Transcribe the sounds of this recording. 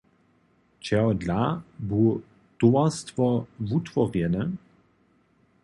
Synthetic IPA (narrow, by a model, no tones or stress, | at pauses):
t͡ʃɛʁdlabu | t̪ɔast̪vɔvut̪vɔʁjɛnɛ